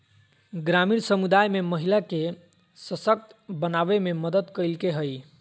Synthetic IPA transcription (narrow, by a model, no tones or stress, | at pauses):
ɡɾamiɾsəmud̪ajmeməɦilake | səsək̚t̪bənabememəd̪əd̪kəjlkeɦəj